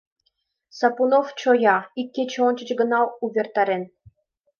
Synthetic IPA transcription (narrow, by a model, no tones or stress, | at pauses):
sɑpunoft͡ɕojɑikʲːet͡ɕonʲt͡ɕə̆t͡ɕɡə̆nɑluβʲert̪ɑɾen